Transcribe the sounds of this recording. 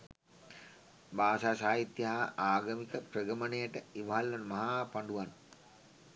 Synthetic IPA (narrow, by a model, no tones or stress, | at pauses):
baːsaːsaːɦit̪jɐɦaaːɡəmikəprəɡəmənejəʈəiʋɐɦalːɐnmaɦaːpaɳɖuʋan